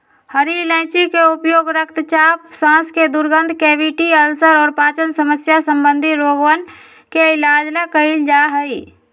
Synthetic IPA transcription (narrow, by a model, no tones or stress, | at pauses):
həɾilɛ̃ːsikeʊpjoːɡɾəkt̪t͡ʃaːpsãːsked̪ʊɾɡə̃nd̪ʱkeːʋɪʈiəlsəɾɔːɾpaːt͡ʃənsəməsjasə̃mbə̃nd̪ʱiɾoːɡwən | keɪlaːd͡ʒləkəild͡ʒaːɦəi